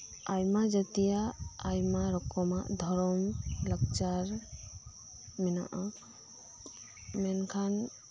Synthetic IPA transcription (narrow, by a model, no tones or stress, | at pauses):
ajmad͡ʒat̪ijaːjmaɾɔkɔmaʔd̪ʱɔɾɔmlək̚t͡ʃaɾ | mina̰ʔa | mɛnkʰan